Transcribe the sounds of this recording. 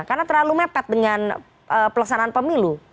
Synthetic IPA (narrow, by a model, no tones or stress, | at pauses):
karnat̪ərlalumepɛt̪̚dəŋan | ʔəːpəlaksanaanpəmilu